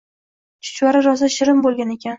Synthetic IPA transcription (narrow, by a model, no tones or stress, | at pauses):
t͡ʃʰʊ̥t͡ʃwaɾɪɾɒzaʃɪɾɪmbolˠɡʲane̞kʲʰan